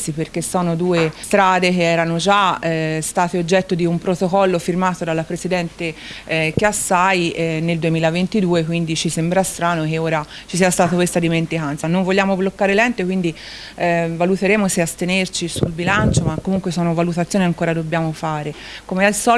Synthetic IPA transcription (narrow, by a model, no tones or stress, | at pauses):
siperkesːɔːnod̪uːest̪ɾaːd̪ek̟eɛːɾanod͡ʒaɛst̪aːt̪eod͡ʒːɛt̪ːod̪iumpɾot̪okɔlːofirmaːt̪od̪alːapɾesid̪ɛnt̪ekasːajneld̪uemiːlavent̪id̪uːekwind̪it͡ʃisembɾast̪ɾaːnokeoːɾat͡ʃis̬iːast̪aːt̪akwest̪ad̪iment̪ikant̪sanːoɱvolʎːaːmoblokːaːɾelɛnt̪ekwind̪i | valut̪eɾeːmoseast̪enert͡ʃisulbilant͡ʃomakːomuŋkwesɔːnovalut̪at̪sːjoːniaŋkoːɾad̪obːjaːmofaːɾe | komealsɔː